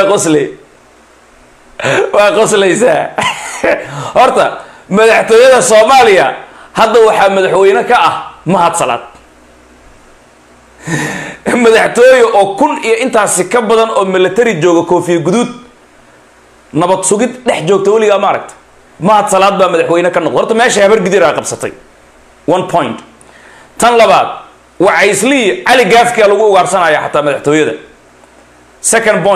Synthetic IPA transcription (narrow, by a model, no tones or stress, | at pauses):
qɔslɛ | wɑːqɔslɛjsaː | hɔrt̪ʰɐmɐðɑħt̪ʰɔːjɐðɐsɔːmaːlɪjɐhɐd̪ːɐwɑħɑːmɐðɑħwɛjnɐkʰɐʔɐhmɐɦɐd̪sɐla̰ːd̪̥̚ | mɐðɑħt̪ʰɔːjɔʔɔːkʰʊnijɔʔɪnt̪ʰaːsɪkʰɐbɐðɐnɔːmɪlːɐt̪ʰɐɾɪt͡ʃɔːɣɔkʰɔːfijɐɡʊðud̪ | nɐβɐd̪sʊɣɪd̪ɖɛħt͡ʃɔːɡ̚t̪ʰɛwɑlɪɣaːmɐːɾɐ̰k̚t̪ʰɐ̥ | mɐhɐd̪sɐlaːd̪̚baːmɐðaħwɛjnɐkʰɐnːɔqd̪hɔrt̪ʰɐmɛːʃɐhɐβɐrɡɪðɪɾaːqɑbsɐt̪ʰɛ̰j | wɐnpʰɔjnt̪ | t̪ʰɐnlɐβaːd̪̥̚ | wɑʕɑɪslɪɪʕɑlɪɡaːfkʰaːlɐɣʊːɣaːrsɐnaːjaːħɑt̪ʰaːmɐðɑħt̪ʰɔːjɐðɐ̰ | sɛkʰɐnd̪bɔ